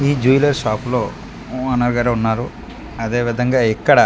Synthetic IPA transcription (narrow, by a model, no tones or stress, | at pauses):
iːd͡ʒujilɐɾʃaːplo̞ː | ɐnːɐɾɡaːɾeːunːaːɾu | ɐd̪e̞ːʋid̪ʱɐŋɡaːikːɐɽɐ